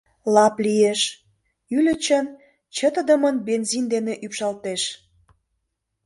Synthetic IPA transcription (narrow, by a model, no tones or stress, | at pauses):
lɑplijeʃ | ylʲə̆t͡ɕən | t͡ɕət̪əd̪əmənbenzind̪eneʔypʃɑlt̪eʃ